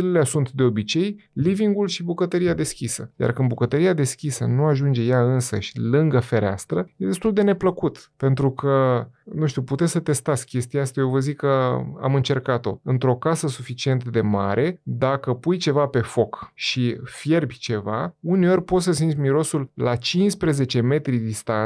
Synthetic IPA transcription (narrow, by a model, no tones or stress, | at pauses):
ilelesunt̪d̪e̞o̞bit͡ʃe̞jliviŋɡulʃibukət̪əɾiad̪e̞skʲisəja̰rkɨnd̪bukət̪əɾiad̪e̞skʲisənuaʒund͡ʒejaɨnsə̰ʃʲlɨŋɡəfe̞ɾea̰st̪ɾəje̞d̪e̞st̪uld̪e̞ne̞pləkut̪pe̞nt̪ɾukʰənuʃt̪iuput̪e̞t̪sət̪e̞st̪at̪sʲkʲe̞st̪iaast̪ajovəzikːəa̰mɨnt͡ʃe̞rkat̪o̞ɨnt̪ɾo̞kasəsufit͡ʃient̪d̪e̞ma̰ɾʔe̞d̪akəpujt͡ʃe̞vape̞fo̞kʃifje̞rbʲt͡ʃe̞vauneo̞rʲpo̞t̪səs̬int̪smiɾo̞sulːat͡ʃinspɾe̞ze̞t͡ʃe̞me̞t̪ɾid̪ist̪an